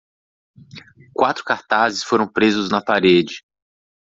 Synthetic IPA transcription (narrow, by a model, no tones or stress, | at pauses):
kwat̪ɾʊ̥kaɾt̪azɪsfoɾɐ̃w̃pɾezʊznɐpaɾed͡ʒɪ